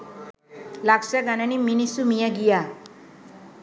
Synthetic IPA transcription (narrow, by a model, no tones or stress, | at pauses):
laksaɡananiminisumijaɡija